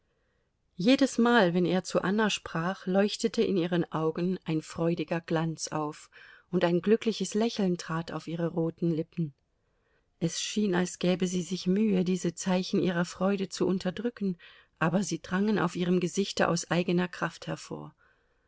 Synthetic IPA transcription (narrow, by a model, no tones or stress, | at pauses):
jeːdəsmaːlvɛnḛːɐt͡suʔanaʃpʁ̥aːχlɔʏçtətʰəʔɪniːʁ̞ənʔaʊɡn̩ʔaɪnfʁ̥ɔʏdɪɡɐɡ̥lant͡sa̰ʊfʔʊntaɪnɡlʏklɪçəslɛçl̩ntʁ̥aːtʰaʊfʔiːʁəʁoːtn̩lɪpn̩ | ʔɛsʃiːnalsɡ̥ɛːbəziːzɪçmyːədiːzət͡saɪçn̩ʔiːʁ̞ɐfʁ̥ɔʏɾət͡suʔʊntʰɐdʁʏkn̩ | ʔaːbɐziːdʁaŋənʔa̰ʊfiːʁ̞əmɡəzɪçtəʔa̰ʊsʔaɪɡənɐkʁ̥afthɛɐfo̰ːɐ